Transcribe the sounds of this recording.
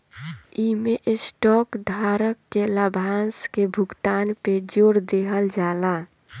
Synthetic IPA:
imeʔesʈɔkd̪ʱaɾəkːeləbʱanskebʱukt̪anped͡ʒoɾd̪eɦəld͡ʒaːla

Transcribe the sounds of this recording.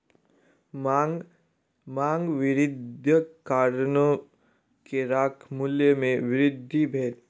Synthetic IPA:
maːŋɡʋɪɾɪd̪ʱjəkaːɾno | keɾaːkʰmʊljəmẽʋɪɾɪd̪ʱːibʱeːl

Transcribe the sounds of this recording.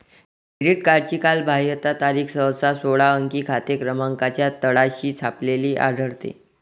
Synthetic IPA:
kɾiɖiʈ̚kaɾt͡ɕiːkalbʱaɦjət̪at̪aɾiːkʰsəwt͡sasoɭaəŋkiːkʰat̪ekɾəmaŋkat͡ɕjat̪əɽaɕiːt͡sʰapleliːʔa̰d̪ʱəɾt̪ḛ

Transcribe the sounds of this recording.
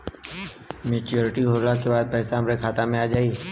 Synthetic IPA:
meːt͡ʃoːɾɪʈiɦoːɾlakebaːd̪̚pɛːsaəmɾekʰaːt̪amẽaːd͡ʒaːi

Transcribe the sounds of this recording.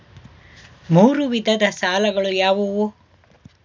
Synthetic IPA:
muːɾuʋid̪ʱɐd̪ɐsaːlɐɡɐɭujaːʋuʋu

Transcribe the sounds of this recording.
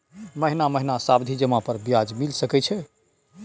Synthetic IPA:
məɦinaməɦinasabd̪ʱid͡ʒəmapəɾbjad͡ʒmilsəkɛt͡ʃʰɛ

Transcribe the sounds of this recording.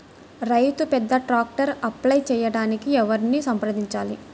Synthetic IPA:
ɾɐjt̪upɛd̪ːɐʈɾaːk̚ʈɐɾɐplɐjt͡ʃɛːjɐɽaːnikiɛʋɐɾniːsɐmpɾɐd̪iɲt͡ʃaːli

